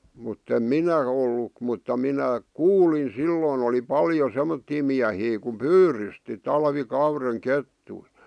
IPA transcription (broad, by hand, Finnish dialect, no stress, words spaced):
mutːem minæ olːu mutːɑ minæ kuːlin silːoːn oli pɑljo semːotːiː miæhiː kum pyːrysti tɑlʋikɑureŋ ketːui